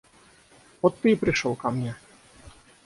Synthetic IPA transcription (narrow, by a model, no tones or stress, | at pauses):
ɔt̪ːɨipɾʲɪʂolˠkamnʲɛ